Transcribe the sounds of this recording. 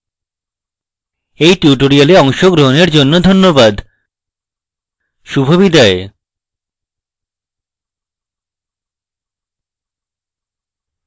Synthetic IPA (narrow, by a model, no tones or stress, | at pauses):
ejʈiuʈoɾialeɔŋʃoɡɾoɦoneɾd͡ʑonːod̪ʱonːobad̪ | ʃubʱobid̪ae